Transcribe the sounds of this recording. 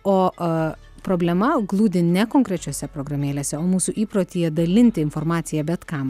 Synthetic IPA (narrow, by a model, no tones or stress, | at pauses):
oː | pɾoːbʲlʲɛmɐɡlˠuːd̪ʲɪnʲɛkoːŋkɾʲɛt͡ʃʲoːsʲɛpɾoːɡɾɐmʲeːlʲeːsʲɛoːmuːsuʔiːpɾoːt̪ʲiːjɛd̪ɐlʲɪnʲt̪ʲɪɪnfoɾmɑːt̪sʲɪjɛbʲɛt̪kɑm